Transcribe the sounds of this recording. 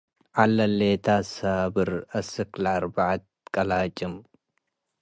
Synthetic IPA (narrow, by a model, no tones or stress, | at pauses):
ʕalːɐlːet̪ʰaːsabɨɾɐsɨklaɾbaʕat̪̚kʼɐlaːt͡ʃʼɪm